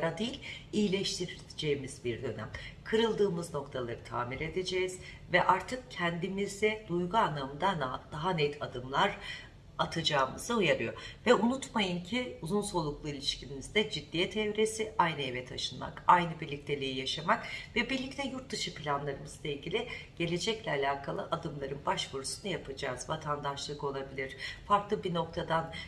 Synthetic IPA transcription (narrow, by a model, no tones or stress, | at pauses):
aɾad̪ijilʲijilʲɛʃt̪ʰiɾi | d͡ʒe̞jimizbiɾd̪ø̞næ̰mkʰɯɾɯlˠd̪ɯːmɯzno̞kt̪ʰalˠaɾɯt̪ʰa̰ːmiɾe̞d̪ed͡ʒejiz̥ | vɛʔaɾt̪ʰɯk̚cʰɛnd̪imizd̪ɛd̪ujɡuanːamɯnd̪anad̥̪aɦanɛt̪ʰad̪ɯmlˠaɾ | at̪ʰad͡ʒaːmɯzɯujaɾɯjo̞̰vɛunut̪majɯncʰiuzunso̞lˠuklˠuilʲiʃcʰilʲinizd̪ɛd͡ʒid̪ːijɛt̪ʰɛvɾesiajnɯevɛt̪ʰaʃɯnma̰kajnɯbiɾlʲic̚t̪ʰe̞lʲejijaʃamakvɛbiɾlʲic̚t̪ʰɛjuɾt̪̚d̪ɯʃɯpʰlʲanlˠaɾɯmɯz̥lˠailʲɟʲilʲɪɟ̥e̞lʲe̞d͡ʒɛclʲɛalʲaːkʰalˠɯʔad̪ɯmlˠaɾɯnbaʃvuɾusund̪ajapʰad͡ʒaːzvat̪ʰand̪aʃlˠɯko̞lˠabilʲiɾ̥faɾklˠɯbino̞kt̪ʰad̪an